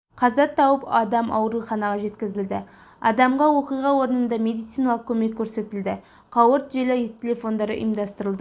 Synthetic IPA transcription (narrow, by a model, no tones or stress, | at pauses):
qʰɑzɑt̪ʰːɑwəpɑd̪ɑmʔɑ̰wɾuχɑnɑʁɑʒe̞t̪kʲɪzɪld̪ɪ | ɑ̰d̪ɑmʁɑwo̞qijʁɑwo̞ɾənənd̪ɑme̞d̪ijt̪sijnɑlˠəq̚kʲʰɵme̞kʲʰːɵɾse̞t̪ɪld̪ɪ | qʰɑwəɾt̪ʒelet̪ʲʰelʲe̞fo̞nd̪ɑɾə̰ʔḭjmd̪ɑst̪əɾəlˠd̪ə